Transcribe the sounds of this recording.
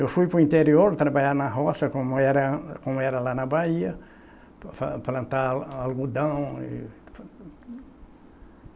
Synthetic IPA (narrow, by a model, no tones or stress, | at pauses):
ewfujpɾʊĩnt̪eɾioɾt̪ɾabaʎaɾnɐɦɔsɐkõmʊɛɾɐkõmʊɛɾɐlanɐbaiɐ | faplɐ̃nt̪aalɡud̪ɐ̃w̃ḭ